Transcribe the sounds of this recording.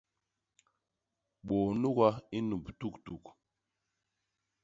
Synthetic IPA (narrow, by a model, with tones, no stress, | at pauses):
ɓɔ˨nu˦ka˦i˦nu˨ptu˦ktu˨k